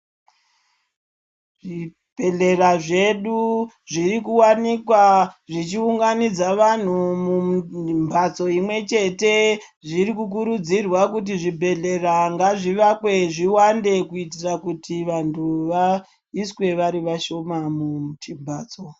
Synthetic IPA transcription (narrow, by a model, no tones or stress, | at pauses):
ʐi | b̥ʱe̞ɮe̞raʐe̞ɗu | ʐirikuwanikwaʐit͡ʃiuŋɡanid͡zaʋan̤umumbʱat͡so̞imwe̞t͡ʃe̞te̞ | ʐiɾikuk̬uɾud͡zirwakut̬iʐibʱe̞ɮe̞raŋɡaʐiʋakwe̞ʐiwande̞kuitirakutiʋantʰuʋa | iswe̞ʋaɾiʋaʃo̞mamutʰimbʱaːt͡so